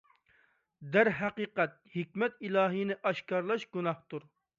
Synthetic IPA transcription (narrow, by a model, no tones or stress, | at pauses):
d̪æɾɦæqiːqɛt̪̚hikʲmɛt̪ilˠɑːɦinɪʔɑʃkɑɾlˠɑʃɡunɑht̪uɾ